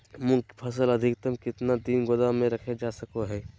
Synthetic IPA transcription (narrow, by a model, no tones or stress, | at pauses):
mʊ̃kpʰəsələd̪ʱɪkt̪əmkɪt̪nad̪iːnɡod̪amẽɾəkʰed͡ʒaːsəkoɦɛː